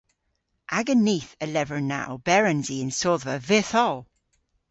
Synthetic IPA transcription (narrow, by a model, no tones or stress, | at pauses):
ʔaɡəniːθəlɛvəɹna̰wbɛɹənziə̃nsoːðvəvɪθɔlˠ